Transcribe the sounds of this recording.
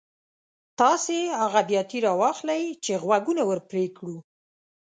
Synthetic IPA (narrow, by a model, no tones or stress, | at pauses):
t̪ɑseaɣabjɑt̪iɾɑwɑxlajt͡ʃeɣwaɡunawəɾpɾekɽu